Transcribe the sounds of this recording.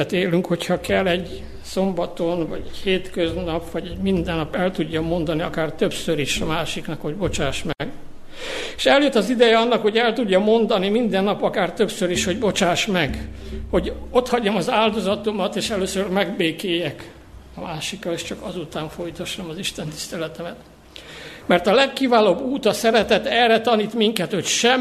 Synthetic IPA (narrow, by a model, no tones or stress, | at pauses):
ɛt̪eːlyŋkho̞chɒkɛlːɛɟ | so̞mbɒt̪o̞nvɒ̰ɟɛcheːt̪køznɒpʋɒɟɛɟmind̪ɛnːɒpɛlt̪uɟːɒmo̞nd̪ɒniɒkaːrt̪ø̞psøɾiʃɒmaːʃiknɒkho̞ɟbo̞t͡ʃaːʃmɛɡ | eʃɛljøt̪ːɒzid̪ɛjɛɒnːɒkho̞ɟɛlt̪uɟːɒmo̞nd̪ɒnimind̪ɛnːɒpɒkaːrt̪ø̞psøɾiʃho̞ɟbo̞t͡ʃaːʃmɛɡho̞ɟo̞t̪hɒɟːɒmɒzaːld̪o̞zɒt̪omɒt̪eːʃɛløːsørmɛɡbeːkeːjɛk | ɒmaːʃikːɒleːʃt͡ʃɒkɒzut̪aːɱfo̞jt̪ɒʃːɒmɒziʃt̪ɛnt̪i̥st̪ɛlɛt̪ɛmɛt̪ | mɛrt̪ɒlɛkːivaːloːbːuːt̪ɒsɛɾɛt̪ɛt̪ɛrːɛt̪ɒniːt̪miŋkɛt̪ho̞cʃɛm